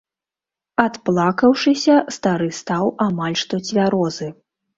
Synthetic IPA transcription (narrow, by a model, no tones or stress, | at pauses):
at̪plˠakɐwʂɨsʲɐst̪aɾɨst̪awamalʲʂt̪ɔt͡sʲvʲaɾɔzɨ